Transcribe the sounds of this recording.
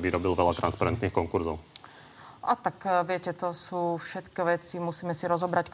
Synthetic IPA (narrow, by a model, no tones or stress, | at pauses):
ʋiɾɔbilʋɛlat̪ɾanspaɾɛnt̪niːxkɔŋkuɾzɔʊ | ʔat̪akʋɪɛcɛt̪ɔsuːfʃɛt̪kɛʋɛt͡simusiːmɛsiɾɔzɔbɾack